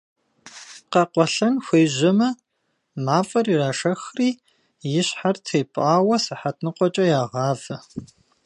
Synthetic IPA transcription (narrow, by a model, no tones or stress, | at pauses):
qɐqʷɔɬɐnxʷeːʑɪmɐ | maːfʼɐriːraːʂɐxriː | jɪɕħartʰeːpʼaːwɐsɨħatʰnɨqʷɔt͡ʃʼɐjaːʁɑːvɐ